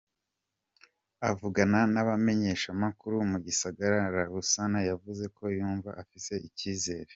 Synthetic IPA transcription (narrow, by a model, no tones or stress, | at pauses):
avuɡananaβame̞ɲe̞ːʃamakuɾumuɟisaɡaɾaɾaɾusanajavuze̞ko̞juːɱva̰ʔafise̞ʔiciːze̞ːɾe̞